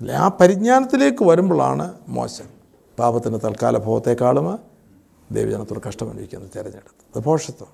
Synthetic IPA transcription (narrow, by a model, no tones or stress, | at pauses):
ɐlḛa̰ːpɐɾiɡ̚ɲaːnɐt̪ːile̞ːkːɨʋɐɾumboɭa̰ːɳɨmo̞̰ːɕɐm | paːpɐt̪ːindet̪ɐlka̰ːlɐbʱoːʋɐt̪ːekːaːɭumɐ | d̪ḛjʋɐd͡ʑɐnɐt̪ːurɨkɐʂʈɐmɐ̰nuikʲːunːɐðt̪iɾɐɲːiɽut̪ːɨ̥ɐðɨbʱo̞ːʂɐt̪ːɐ